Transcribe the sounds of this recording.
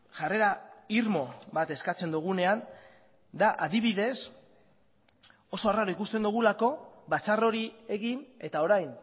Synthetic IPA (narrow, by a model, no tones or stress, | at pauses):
ʝare̞ɾaiɾmo̞βat̪e̞skat͡se̞nd̪uɣ̞une̞an | d̪aʔaðiβ̞iðe̞s | o̞so̞araɾoikust̪e̞nd̪uɣ̞ulako̞βat͡saro̞ɾie̞ɣine̞t̪ao̞ɾajn